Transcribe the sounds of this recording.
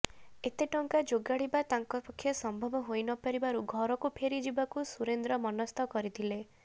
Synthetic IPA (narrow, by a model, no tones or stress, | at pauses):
et̪eʈɔŋkad͡ʒoɡaɽibat̪aŋkɔpɔkʰːjɔsɔmbʱɔbɔɦojnɔpɔɾibaɾuɡʱɔɾɔkupʰeɾid͡ʒibakusuɾend̪ɾɔmɔnɔst̪ɔkɔɾit̪ʰile